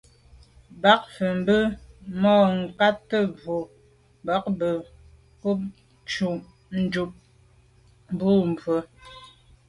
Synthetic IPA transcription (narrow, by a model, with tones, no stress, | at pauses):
ba˨˦k̚fə˨m̩˦bə˦mɔː˦˨ŋ̩˨ka˦tːə˦b͡vo˨ | ba˨˦k̚bə˨ | pu˦p̚ | t͡ʃu˨ | n̩˦d͡ʒu˨p̚ | m˨bu˦m˨b͡vwə˨